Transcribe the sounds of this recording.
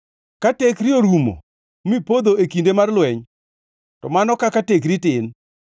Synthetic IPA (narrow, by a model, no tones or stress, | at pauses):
katekɾɪoɾumo̰ | mipod̪oekindemarlwɛɲ | tɔmanɔkakatekɾitɪn